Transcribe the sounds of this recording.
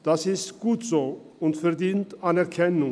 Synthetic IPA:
d̥asɪstɡ̥uːtz̥oː | ʊntfɛɐdiːntanɛɐkʰɛnʊ

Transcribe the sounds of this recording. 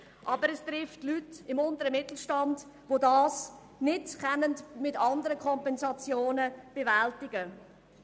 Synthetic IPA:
ʔɑbəɾɛstɾɪftlytɪmʊndəɾəmɪtl̩ˠʃtɑnd | vodɑːs | nɪtkɛnəndmɪtɑndəɾəkʰɔmpɛnsɑt͡sjoːnəb̥evæltɪɡə

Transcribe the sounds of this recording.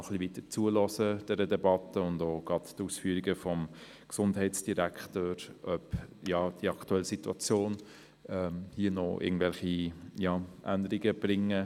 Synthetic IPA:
nɔχlivitət͡suəlɔsəd̥ɛɾədɛbɑtəʊndoːɡ̥ɾɑttuːsfyːɾiɡəfɔm | ksʊndɦɛɪtsd̥iɾæktoːɾʔœpjɑd̥iəɑktuɛlːəsituɑt͡sjoːn | ɛmhiːənɔʔɪ̰ɡŋ̩n̩dvɛlχijɑʔænd̪əɾiɡəb̥ɾɪŋːə

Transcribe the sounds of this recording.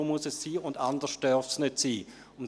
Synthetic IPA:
oːmuəsɛsːiːʊndandəʃtœɐfsnʏtsiː | ʊn

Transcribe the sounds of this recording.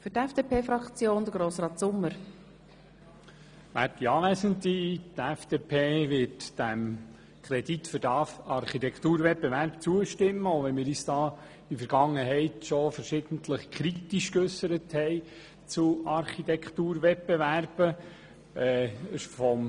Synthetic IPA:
fʏɾtɛfd̥eːpʰeːfɾɑkt͡sjoːnd̥̪əɡ̥ɾoːsɾɑːtsʊmːəɾ | ʋæ̰ːtdiɑːlæsəntitɛfd̥epʰeːʋɪtd̥æm | kʰɾɛd̥itfʏɾdɑfɑɾχitɛkt̪uːɾvɛt̚beʋæɾpt͡suəʃtɪmːəoʊʋɛnmɪːɾyːsd̥ɑː | ifəɾɡ̥ɑŋːəɦɛɪtʃofəɾʃɪd̥̪ən̩tʰləχkʰɾitiʃkøsəɾəthɛɪ | t͡suɑɾχitɛkt̪uːɾʋɛt̚b̥eværb̥ə | ɛfɔm

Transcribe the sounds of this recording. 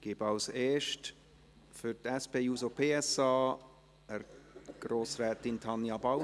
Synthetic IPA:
ɡ̥ɪbɑlseːʃt | fytɛspeːuːsopʰeːɛsɑː | əɾɡ̥ɾoːsrɛːtɪntʰɑnjɑba

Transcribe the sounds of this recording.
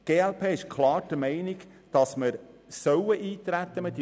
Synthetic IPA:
ɡ̥eːɛlpʰeːɪʃkʰlɑːɾd̥əmɛɪnɪɡ | d̥ɑsməɾsœwəʔiːt̪ɾæt̪ːəmɪd

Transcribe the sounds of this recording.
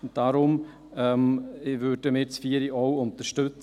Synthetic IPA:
ʊnt̚d̥aɾʊm | ɛmvøːɾd̥əmɪt͡sfiəɾiʔɔwʊntəɾʃtɵt͡s

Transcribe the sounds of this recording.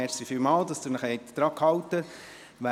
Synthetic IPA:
ɛːɾsifymɑːld̪ɑsd̥̪unəχɛɪt̪d̪̥ɾɑːkhɑwt̪ə | ʋæ

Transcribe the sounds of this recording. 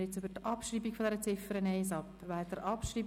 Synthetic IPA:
jɛt͡sybəɾt̪ɑpʃɾiːbikfod̪ɛɾət͡sɪfəɾəneɪs̬ɑpː | vɛlt̪əɾʔɑpʃriː

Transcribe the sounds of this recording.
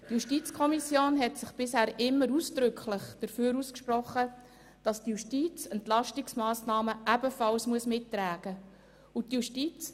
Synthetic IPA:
tjuʃtiːt͡skʰɔmisjoːnɦɛtsɪχb̥ɪshæːɾɪmːəɾusd̥ɾʏkʰlɪχd̥əɾføːɾuːskʃprɔχːə | d̥ɑstjuʃtiːt͡sɛntlɑʃtɪksmɑːsnɑːməʔæb̥əfɑlsmuəsmɪtːɾæːɡ̥ə | utjuʃtiːt͡s

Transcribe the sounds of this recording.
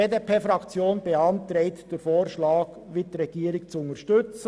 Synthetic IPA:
eːdepʰeːfɾɑkt͡sjoːnbeɑntɾɛɪtd̥eːɾfoːɾʃlɑːɡ | ʋɪtɾɛɡ̥iːəɾɪkt͡suʊnəʃtʏt͡s

